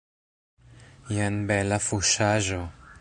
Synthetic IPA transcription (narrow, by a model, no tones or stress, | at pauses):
janbelafuʃaʒo